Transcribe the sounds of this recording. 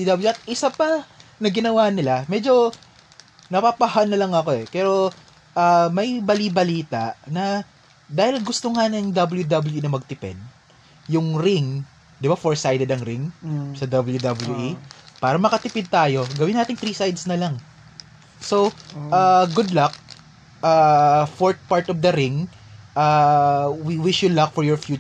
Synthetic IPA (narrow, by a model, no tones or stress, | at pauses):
d̪ɐblɐt̪̚ʔɪsapɐnɐɡɪnɐwanɪlamɛd͡ʒo̞ | nɐpapɐhanːɐlɐŋɐko̞ʔɛpɛːɾo̞ | ʔaːmɐjbɐlibɐliːt̪aʔnɐ | d̪aːhɪlɡʊst̪o̞ŋanɐŋd̪ɐbɐljud̪ɐbɐluinɐmɐɡ̚t̪ɪpɛ̰d̪̚ | jʊŋɾɪŋ | d̪ɪbafoɹsajd̪ɛd̪ɐŋɾɪŋsɐd̪ɐbɐljud̪ɐbɐljuʔipaːɾɐmɐkɐt̪ɪpɪd̪̚t̪aːjo̞ɡɐwɪ̃naːt̪ɪŋt̪ɾiːsajd̪snɐlɐŋ | soʔaːɡʊd̪lɐk̚ | ʔafoɹt̪̚paɹt̪ɔfd̪ɐɾɪŋ | ʔaːwiwɪʃjʊd̪lɐk̚fɔɹjɔɹfjuː